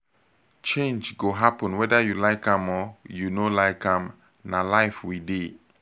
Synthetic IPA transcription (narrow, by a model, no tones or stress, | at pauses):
t͡ʃẽnd͡ʒɡoɦapə̃nwɛdəjulaɪkãmɔjunolaɪkãm | nalaɪfwide